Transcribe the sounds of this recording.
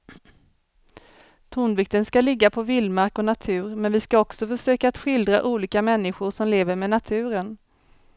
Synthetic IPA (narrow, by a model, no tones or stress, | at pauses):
t̪ʰuːnvɪk̚t̪ənskalɪɡːapʰɔvɪlmaɾkɔnat̪ʰʉ̟ːɾmɛnvɪskaɔksɔfœʂøːkaːt̪ɧɪld̪ɾa̰ʔuːliːkamɛnːɪɧʊʂɔmleːvəɾmɛnat̪ʰʉ̟ːɾən